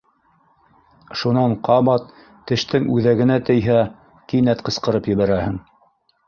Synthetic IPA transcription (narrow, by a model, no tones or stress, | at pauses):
ʃunɑɴqɑβɑt̪̚ː | ɘ̆ʃt̪ɘŋʉðæɡɘ̆næt̪ɘ̆jɦæ | kinæt̪qɤ̆sqɤ̆ɾɤpjɘ̆βæɾæhɘ̆ŋ